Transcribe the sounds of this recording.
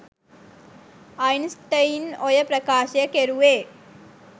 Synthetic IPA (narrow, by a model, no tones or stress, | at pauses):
ɐjnsʈɐjnɔjɐpɾɐkaːʃjɐkeɾuʋeː